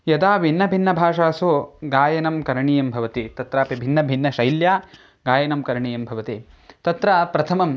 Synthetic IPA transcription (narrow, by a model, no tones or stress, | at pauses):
jɐd̪aːʋinːɐbʱinːɐbʱaːʂaːsoːɡaːjɐnɐmkɐɾɐɳijɐmbʱɐʋɐt̪it̪ɐt̪ɾaːpibʱinːɐbʱinːɐʃɐjljaː | ɡaːjɐnɐmkɐɾɳijɐmbʱɐʋɐt̪it̪ɐt̪ɾaːpɾɐt̪ʰɐmɐm